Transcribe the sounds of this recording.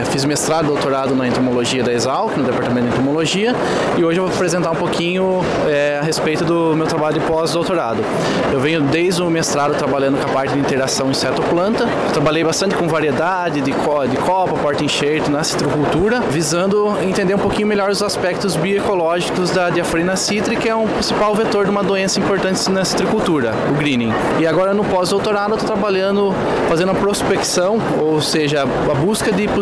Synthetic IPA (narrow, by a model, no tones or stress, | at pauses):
fizʊmest̪ɾad̪ʊd̪owt̪oɾad̪ʊnɐẽnt̪omoloʒiɐd̪ɐezawkɪnʊd̪epaɾt̪aɐmẽt̪ʊd̪ẽt̪omoloʒiɐ | ɪoʒɪewvoapɾezẽnt̪aũpokĩɲʊ | ɛɐɦespejt̪ʊd̪ʊ | mewt̪ɾabaʎlʊpɔzd̪owt̪oɾad̪ʊ | ewvẽɲʊd̪ejzd̪ʊmest̪ɾad̪ʊt̪ɾabaʎɐ̃nd̪ʊkɐpaɾt̪ɪd̪ɪĩt̪eɾasɐ̃w̃ẽsɛɾt̪ʊplɐ̃nt̪ɐ | wt̪ɾabaʎejbast̪ɐ̃nt̪ɪ̥kõvaɾied̪a | d̪ɪd̪ɪkɔd̪ɪkʰɔpɐpɔɾt̪ɪĩʃejt̪ʊnɐsi̥t̪ɾɪkuwt̪uɾɐvizɐ̃nd̪ʊ | ẽnt̪ẽnd̪eɾũpowkĩɲʊmeʎɔɾʊzaspɛk̚t̪ʊzbioekolɔʒikʊzd̪ɐd͡ʒ̪iafɾinɐsit̪ɾɪkɪɛũpɾĩsipawvet̪oɾd̪ɪũmɐd̪oẽsɐĩmpoɾt̪ɐ̃nt̪ɪnɐsi̥t̪ɾɪkuwt̪uɾɐ | ʊɡɾĩnĩ | ɪaɡɔɾɐnʊpɔzd̪owt̪oɾad̪ʊewt̪ot̪ɾabaʎɐ̃nd̪ʊ | fazẽd̪ʊ̃mɐpɾospeksɐ̃w̃ | owseʒɐ | ɐbuskɐd̪ɪp